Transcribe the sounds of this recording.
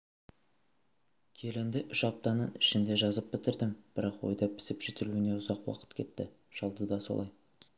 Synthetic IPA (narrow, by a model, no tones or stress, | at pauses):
kʲʰe̞lɪnd̪ɪʔʏʃɑp̚t̪ɑnənɪʃɪnd̪e̞ʒɑzəp̚bɪt̪ɪɾd̪ɪmb̥ɪɾɑqwo̞̰jd̪ɑpʰɪ̥sɪpʒ̥ɪt̪ɪluɪne̞ʊzɑqwɑ̰qə̥t̪kʲʰe̞t̪ːɪ | ʒ̥ɑlˠd̪əd̪ɑso̰lˠɑ̰j